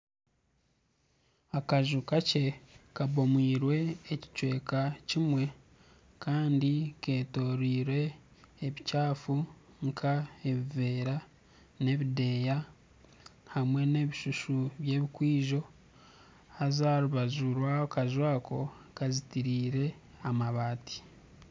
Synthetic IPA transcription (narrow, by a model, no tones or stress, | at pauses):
akaʒukace̞kabo̞mwiːɾwe̞ːci̥t͡ʃwe̞ːkacimwe̞ | kaːndike̞ːto̞ɾiːɾwe̞ː | βicaːfu | ŋkʰae̞βive̞ːɾa | ne̞βide̞ːja | hamwe̞ne̞ːβiʃuʃuβje̞ːβikwiːʒo̞ | hazaːɾuβazuɾwaokaʒwaːko̞ | kazitiɾiːɾe̞amaβaːti̥